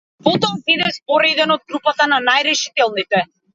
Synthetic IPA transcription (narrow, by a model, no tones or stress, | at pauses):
pɔt̪ɔvvid̪ɛspɔɾɛd̪ɛnɔd̪̚ɡɾupat̪ananajɾɛʃi̥t̪ɛlˠnit̪ɛ